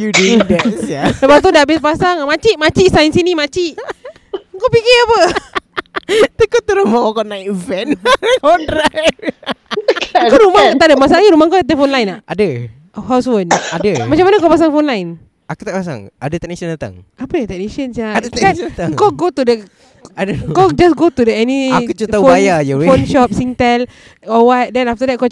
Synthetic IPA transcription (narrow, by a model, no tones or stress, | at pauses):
jududɛtsjasəbat̪udabɪspasaŋmat͡ʃiʔmat͡ʃiʔsainsinimat͡ʃiʔ | ŋkopikiapə | t̪əkot̪əɾombawakɔnaikvɛnɔndɾa | koɾumat̪adəmas̬aʔlaɲaɾumaŋkodat̪əfonlajnaʔadə | ɦawswənadəmat͡ʃamanəkapas̬aŋfonlajn | akut̪aʔpas̬a̰ŋʔadət̪ɛnisəndat̪a̰ŋapəjat̪ɛniʃənt͡ʃaadkaaŋŋkɔɡot̪udə | adəkɔd͡ʒasɡot̪udəɛniakut͡ʃut̪afoajajuweonʃɔp̚sint̪ɛl | ɔwat̚dɛnaft̪ədɛt̚ko